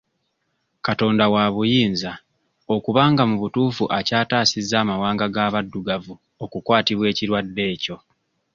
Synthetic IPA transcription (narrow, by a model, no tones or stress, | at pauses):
kato̞ːndawaβujiːnza | o̞kuβaːŋɡamuβutuːfuʔacaːtaːsizːaːmawaːŋɡaɡaːβadːuɡavu | o̞kukwaːtiβwe̞ːciɾwadːe̞ːco̞